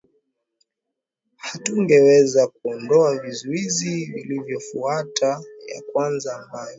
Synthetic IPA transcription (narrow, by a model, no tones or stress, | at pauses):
hatuŋɡɛwɛzakuɔndɔavizuizivilivjɔfuatʰaja̰kwanzaːmbajɔ